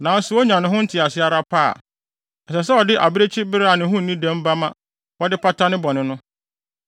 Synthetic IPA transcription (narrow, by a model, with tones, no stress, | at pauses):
nã˨n̩˦sʊ˨˦ɔ˦ɲã˨nʊ̃˦ɦʊ̃˦n̩˦tʰɪ˨a˨sɪ˦a˦ɾa˦pʰa̰ː˦˨ | ɛ˨sɛ˨s̬ɛ˦ɔ˨dɪ˦ʔa̰˨bɪ˦ɾe˦t͡ɕʰɪ˦bɪ˦ɾa˨nɪ̃˨˦ɦʊ̃˦n̩˨nĩ˦dɛ̃˦m˦ba˦mã̰˦ | wɔ˦dɪ˦pʰa˦tʰa˦nɪ̃˦bɔ˨nɪ̃˨nʊ̃˦